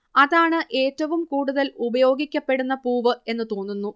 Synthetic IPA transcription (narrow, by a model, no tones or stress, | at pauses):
ɐðaːɳɨʔe̞ːtːɐʋumkuːɽuðɐlubɐjo̞ːɡikʲːɐpːe̞ɽunːɐpuːʋɨe̞nːɨt̪oːnːunːu